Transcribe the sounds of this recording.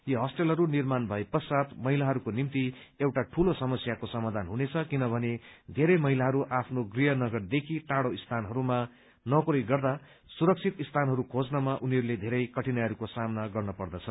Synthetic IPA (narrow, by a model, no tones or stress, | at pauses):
jʌɦʌsʈelɦʌɾunirmanbʱʌjpʌsat̪mʌɦilaɦʌɾukonimt̪i | ewʈaʈʰulosʌmʌsjakosʌmad̪ʱanɦunet͡sʰʌkinʌbʱʌned̪ʱeɾʌjmʌɦilaɦʌɾuʔapʰnoɡrijʌnʌɡʌrd̪ekʰiʈaɽoist̪ʰanɦʌɾuma | nʌkuɾijɡʌrd̪a | suɾʌk̚t͡sʰit̪ist̪ʰanɦʌɾukʰod͡znʌmaʔuniɦʌɾuled̪ʱeɾʌjkʌʈinaɦʌɾukosamnaɡʌrnʌpʌrd̪ʌt͡sʰʌ